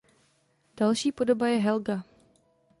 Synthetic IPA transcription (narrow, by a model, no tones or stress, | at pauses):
d̥alʃiːpo̞dobajɛɦɛlɡa